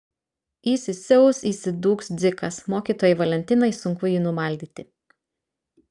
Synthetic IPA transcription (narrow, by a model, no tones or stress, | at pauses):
iːsʲɪsʲɛʊsiːsʲɪd̪uːksd̪zʲɪkɐsmoːkʲiːt̪oːjɛʋɐlʲɛnʲt̪ʲɪnɐɪsʊŋkʊjiːnʊmɐˑlʲd̪ʲiːt̪ʲɪ